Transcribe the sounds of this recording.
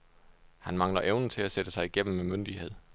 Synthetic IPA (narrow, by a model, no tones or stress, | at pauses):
hænmɑ̈ŋlɐʔeʊnn̩t͡sʰe̝æsed̥əsɑ̈ɪiɡ̥em̰m̩memønd̥ihe̝ð̞̰ˠ